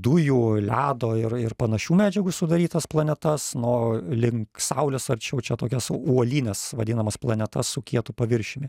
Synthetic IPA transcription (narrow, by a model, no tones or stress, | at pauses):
d̪ʊjuːlʲæːd̪oːɪrɪrpɐnɐʃʲuːmʲæːd͡ʒʲɛɡʊsʊd̪ɐɾʲiːt̪ɐsplˠɐnʲɛt̪ɐsnoːlʲɪŋksɐʊlʲɛsɐɾʲt͡ʃʲɛʊt͡ʃʲɛt̪oːkʲɛsuɔlʲiːnʲɛsʋɐd̪ʲiːnɐmɐsplˠɐnʲɛt̪ɐssʊkʲiɛt̪ʊpɐʋʲɪɾʲʃʲɪmʲɪ